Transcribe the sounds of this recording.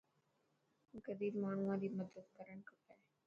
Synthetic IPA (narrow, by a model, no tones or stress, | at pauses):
ɡəd̪iːɾmaːɳ̤uʋãd̪iːməd̪ət̪̚kəɾəɳkɐɾt̪aːɦɛ